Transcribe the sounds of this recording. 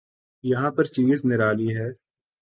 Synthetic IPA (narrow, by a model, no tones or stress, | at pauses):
jɐɦãːpəɾt͡ʃiːznɪɾaːliɦɛː